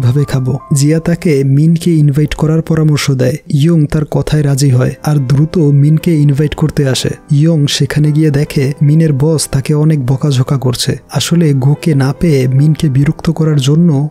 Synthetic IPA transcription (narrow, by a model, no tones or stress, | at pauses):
bʱabekʰabod͡ʑiat̪akeminkeinvʱajʈkɔɾaɾpɔɾamoɾʃod̪ɛeioŋt̪aɾkɔt̪ʰaeɾad͡ʑiɦɔeaɾd̪ɾut̪ominkeinvʱajʈkoɾt̪eaʃḛioŋʃekʰaneɡijed̪ɛkʰemineɾbɔst̪akeɔnek̚bɔkad͡ʑʱokakoɾt͡ɕʰḛaʃoleɡokenapeeminkebiɾokt̪okɔɾaɾd͡ʑonːo